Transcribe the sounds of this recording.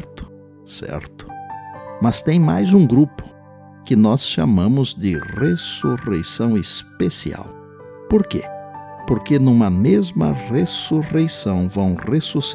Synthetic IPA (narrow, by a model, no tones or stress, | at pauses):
ɾt̪ʊ̥ | sɛ̰ɾt̪ʊ̥mɐst̪ẽj̃majzũɡɾupʊ̥ | kɪnɔsʃamɐ̃mʊzd̪ɪresuʁḛjsɐ̃w̃espesḭa̰w | poɾkḛpoɾkenũmɐmezmɐ̰resuʁejsɐ̃w̃vɐ̃w̃resus